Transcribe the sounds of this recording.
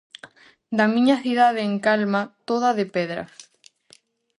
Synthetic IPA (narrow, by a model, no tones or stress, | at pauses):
d̪amĩɲaθiðaðeeŋkalmat̪oð̞aðepeðɾa̰